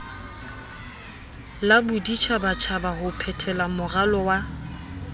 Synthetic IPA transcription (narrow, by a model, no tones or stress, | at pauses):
labʊdit͡ʃʰabat͡ʃʰabahʊpʰɛtʰɛlamʊralɔwa